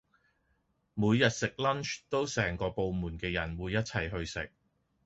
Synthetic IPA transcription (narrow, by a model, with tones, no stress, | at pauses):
muː˨˧jːɐ˨t̚sɪ˨k̚lɐ˥nt͡ʃt̪o˥wsɛː˨˩ŋkɔː˧po˨˧wmuː˨˩nkɛː˧jɐ˨˩nwuː˨˧jɐ˥t̚t͡sʰɐ˨˩jɦɵ˧ɥsɪ̰˨k̚